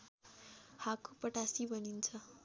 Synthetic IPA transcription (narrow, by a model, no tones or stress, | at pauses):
hakʰupəʈasibʱənint͡sə